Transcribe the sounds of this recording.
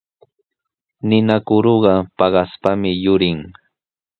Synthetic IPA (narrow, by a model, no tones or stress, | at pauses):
nɪnakʊɾoɢɑpɑɢɑspamɪjʊɾɪŋ